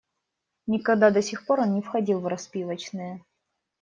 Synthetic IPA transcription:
nʲɪkɐɡd̪ad̪ɐsʲɪxpo̞ɾo̞nnʲɪfxɐdʲilˠvrɐspʲivət͡ɕnɨjə

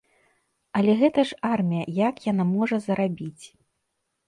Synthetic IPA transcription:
ɐlʲɛɣɛt̪ɐʂarmʲijɐjakjanamɔʐɐzɐɾabʲit͡sʲ

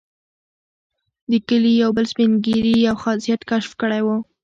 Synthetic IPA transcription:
d̪əkəlijawbəlspɪnɡiɾiawxɑzijat̪kaʃfkəɽajwu

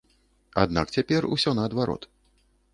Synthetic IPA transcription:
ad̪na̰k̚t͡sʲapʲɛrṵsʲɔnɐːd̪vaɾɔ̰t̪

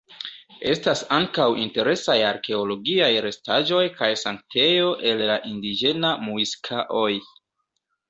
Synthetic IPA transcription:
e̞stasaŋkawinte̞ɾe̞sajaɾke̞o̞lo̞ɡiajɾe̞staʒo̞jkajsaŋk̚tʰe̞jo̞ʔe̞lːaʔindid͡ʒe̞namuiskʰaʔo̞j

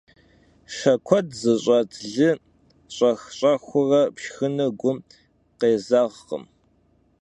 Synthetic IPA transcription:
ʂɐkʷʰɔtʰzɨɕʼɐtʰɮɨ | ɕʼɐxɕʼɐxʷʊrɐpʃxɨnɐɡʷʊm | qeːzaʁqə̰m

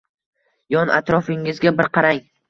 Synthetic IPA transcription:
jɒnʔa̰t̪ɾɒfɪŋɪzɡʲabɪɾqʰɑɾaŋ

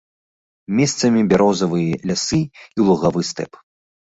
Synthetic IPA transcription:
mʲɛst̪sɐmʲibʲaɾɔzɐvɨjɐlʲasɨilˠuɣavɨst̪ɛ̰p

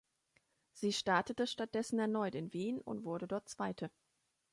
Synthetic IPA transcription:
z̥iːʃtaɐtətəʃtat̚d̥ɛsn̩ɛɐnɔʏtɪnviːnʊ̰ntv̥ʊɐɾədɔɐt̚t͡sv̥aɪtʰə

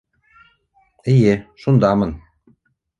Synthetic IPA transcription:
ijeʃund̪ɑmɤn

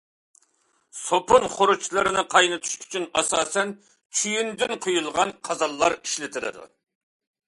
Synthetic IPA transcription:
sopʊnχoɾut͡ʃlˠɨɾɨnɨqʰɑjnɨt̪ʰu̥ʃy̥t͡ʃʰynɑsɑːsɛn | t͡ʃʰyjynd̪ɪnqʰojulˠʁɑnqʰɑzɑlˠːɑɾiʃlɪt̪ʰɪɾɨ̰d̪ṵ

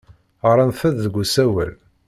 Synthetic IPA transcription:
əɾˤɑnθæððəɡʷːusæwæ̰l

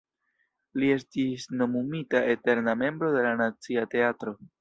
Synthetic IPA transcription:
lie̞stisno̞mumitaʔe̞te̞ɾname̞mbɾo̞de̞lanat͡siate̞atɾo̞

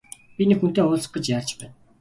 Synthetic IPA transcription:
pʲinikxun̥t̪eːʊːɮsə̥̆χ̚ə̆t͡ɕjaːrt͡ɕpæːn

